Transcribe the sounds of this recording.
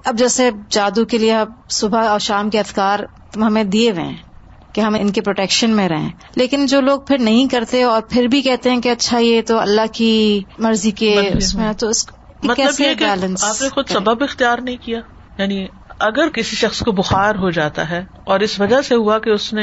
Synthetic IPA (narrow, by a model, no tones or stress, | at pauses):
ɐb̚d͡ʒɛːsed͡ʒaːd̪ukelieɦɐsʊbʱaɔːɾʃaːmkeɐd̪ʰkaːɾ | t̪ʊmɦɐmẽd̪ieʋḛ̃ː | keɦɐmɪnkepɾoːʈɛːkʃənmẽɾɐɦḛ̃ː | leːkɪnd͡ʒoːloːɡ̚pʰɪɾnɐɦĩkɐɾt̪eɔːɾpʰɪɾbʱikɛɦt̪eɦɛ̃keɐtːʃʰajet̪oɐ̰lːaɦkimɐɾzikeʊsmẽt̪oʊsk | kmɐt̪kɛːəseekeɛːlə̃nsaːpnexʊd̪sɐbəbɪxt̪ijaːɾnɐɦĩkijaː | jaːni | ɐɡəɾkɪsiʃɐxskobʊxaːɾɦod͡ʒaːt̪a̰ɦɛː | ɔːɾɪsʋɐd͡ʒaseɦuakeʊsne